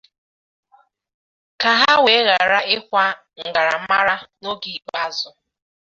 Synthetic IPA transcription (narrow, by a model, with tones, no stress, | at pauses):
ka˨ɦa˦we˨˦ɣa˨ɾa˦ɪ˦kʷa˦ | ŋ̩˨ɡa˨ɾa˨m̩˦ma˦ɾa˦no˦ɡi˨k͡pa˦zʊ˨˦